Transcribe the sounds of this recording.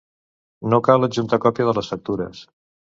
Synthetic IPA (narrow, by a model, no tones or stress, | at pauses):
nokaləʒunt̪əkɔpjəðələsfək̚t̪uɾə̰s